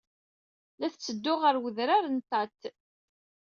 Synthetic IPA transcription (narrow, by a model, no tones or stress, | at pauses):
læθt͡sːəd̪ːʊʁəɾwəðɾaɾənt̪ɑt̪